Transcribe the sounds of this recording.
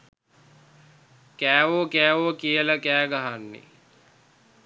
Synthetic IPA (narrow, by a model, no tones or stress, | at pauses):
kæːʋokæːʋokijələkæːɡaɦanːḭ